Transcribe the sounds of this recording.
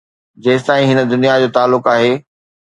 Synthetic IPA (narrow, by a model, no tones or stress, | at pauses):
d͡ʑeːsɪt̪aːĩɦɪnə̆d̪ʊnijad͡ʑoːt̪aːlːʊkaːɦeː